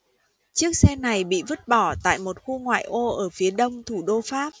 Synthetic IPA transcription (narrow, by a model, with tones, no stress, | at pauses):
t͡ɕɨ˦˥ək̚sɛ˧na˨˩jɓḭ˧˨və˦˥t̚ɓɔ˧˩t̪a̰ː˧˨jmo˨˩t̚xu˧ŋwa̰ː˧˨jʔo˧ʔəː˧˩fi˨˦əɗə˧wŋ͡mt̪ʰu˧˩ɗo˧faː˦˥p̚